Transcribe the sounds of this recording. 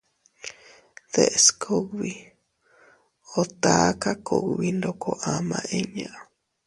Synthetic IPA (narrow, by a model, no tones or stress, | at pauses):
ð̥eʔskʰoɡβi | ot̪akako̰ɡβind̪okʰoʔamãʔeɲãʔ